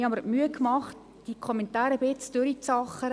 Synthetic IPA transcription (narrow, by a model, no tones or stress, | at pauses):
hɑməɾmyəkmɑχt | d̥ikʰɔmentaːɾəbɪt͡sd̥øɾit͡sɑχəɾ